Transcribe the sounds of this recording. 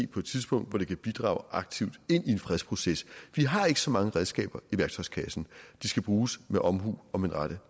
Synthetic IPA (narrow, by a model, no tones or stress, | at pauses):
ḛːpʰɒ̽e̝d̥t͡sʰiðˠsb̥ɔ̽ŋ̰d̥ʋɒɾ̥e̝kʰæb̥id̥ʁɑ̰̈ʊʔɑ̈ɡ̥t͡sʰiʊd̥e̝n̰ie̝nfʁɛðspʰʁo̝sesʋiɦɑ̈e̝ɡ̥ə̥sɒ̽mɑ̈ŋəʁɛðˠsɡ̥ɛ̰ːb̥ɐiʋæɐɡ̥t͡sʰɒ̽ɪskʰɛsn̩d̥isɡ̥æb̥ʁuːsmeʔɒ̽mɦṵːɒ̽menʁɑɾə